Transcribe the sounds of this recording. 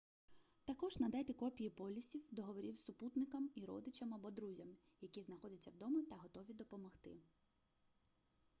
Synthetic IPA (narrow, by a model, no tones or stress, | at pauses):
t̪ɐkɔʒnɐd̪at̪ʲikɔpʲijipɔlʲisʲiwd̪ɔɦɔʋɔɾʲiwsʊput̪nɪkɐmiɾɔ̰d̪ɪt͡ʃɐmɐbɔd̪ɾuzʲɐm | jɐkʲiznɐxɔdʲɐt͡sʲːɐwd̪ɔmʊt̪ɐɦɔt̪ɔʋʲid̪ɔpɔmɔxt̪ɪ̰